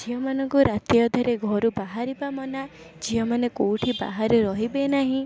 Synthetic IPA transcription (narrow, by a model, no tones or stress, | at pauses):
d͡ʒiɔmanɔŋkuɾat̪ijɔd̪ʱɔɾeɡʱɔɾubaɦaɾibamɔna | d͡ʒiɔmanekowʈʰiba̰ɦaɾeɾɔɦibenaɦĩ